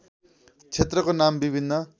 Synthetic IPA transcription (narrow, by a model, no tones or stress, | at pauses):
t͡sʰet̪rʌkonambibʱinːʌ